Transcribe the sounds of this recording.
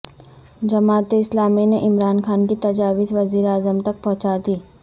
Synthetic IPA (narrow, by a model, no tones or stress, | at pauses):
d͡ʒɐmaːt̪ɪslaːmineʔɪmɾaːnxaːnkit̪ɐd͡ʒaːʋɪsʋɐziːɾaːzəmt̪ɐk̚pɔ̃ɦʊt͡ʃaːd̪iː